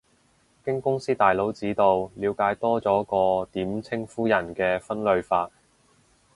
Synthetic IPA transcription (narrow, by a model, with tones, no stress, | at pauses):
kɪ˥ŋkʊ˥ŋsiː˥t̪aː˨˩jlo˨˥wt͡siː˨˥t̪o˨wliː˨˧wkaː˨˥jt̪ɔː˥t͡sɔː˨˥kɔː˧t̪iː˨˥mt͡sʰɪ˥ŋfuː˥jɐ˨˩nkɛː˧fɐ˥nlɵ˧ɥfaː˧t̚